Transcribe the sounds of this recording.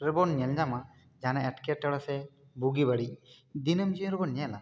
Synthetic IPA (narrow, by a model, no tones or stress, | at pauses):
ɾɯbɔnɲɛld͡ʒama | d͡ʒanɛɛʈkɛʈːɛɽɔsɛ | buɡibaɽid̪inɯmd͡ʒiɾəbɔnɲɛla